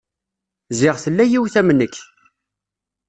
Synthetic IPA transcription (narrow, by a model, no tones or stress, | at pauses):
zɪʁθəlːæjiwθæmənːəkː